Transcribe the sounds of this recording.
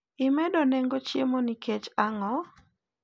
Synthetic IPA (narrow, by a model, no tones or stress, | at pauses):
ɪmɛdoneŋɡot͡ʃjemoniket͡ʃaŋɔ